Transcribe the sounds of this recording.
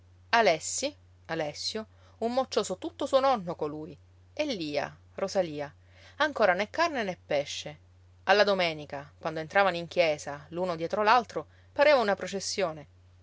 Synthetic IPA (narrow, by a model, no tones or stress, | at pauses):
alɛsːi | alɛsːjo | umːot͡ʃːoːsot̪ut̪ːosuonɔnːokoluːj | elːiːa̰ | rozaliːa | aŋkoːɾanekːarnenepːɛʃːe | alːad̪omɛːnikakwand̪oent̪ɾaːvanoiŋkjɛːszaluːnod̪jɛːt̪ɾolalt̪ɾo | paɾeːvaunapɾot͡ʃesːjoːne